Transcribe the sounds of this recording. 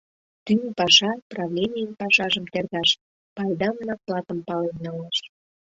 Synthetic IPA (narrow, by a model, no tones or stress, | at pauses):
t̪ynpɑʃɑprɑvlʲenʲijənpɑʃɑʒəmt̪erɣɑʃ | pɑjd̪ɑmnɑklɑt̪əmpɑlennɑlɑʃ